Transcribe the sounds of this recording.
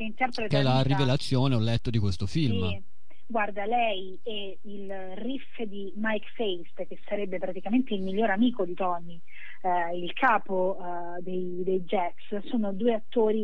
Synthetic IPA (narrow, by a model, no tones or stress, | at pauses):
keint̪ɛrpɾetkɛlːarivelat̪sːjoːneɔlːɛt̪ːod̪ikwest̪ofilm | ɡward̪alɛj | e | il | rif | d̪imajkfejst̪k̟esːaɾɛbːepɾat̪ikament̪eilmilʎːoːɾamiːkod̪it̪ɔni | ilkʰaːpo | d̪ej | d̪ejd͡ʒɛt̪s | soːnod̪uːeat̪ːoːɾi